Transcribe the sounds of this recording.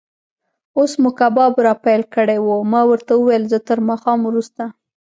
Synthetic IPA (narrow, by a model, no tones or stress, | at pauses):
osmʊkabɑbɾɑpajlkəɽewomɑwəɾt̪awəwejlzət̪əɾmɑxɑmwɾust̪a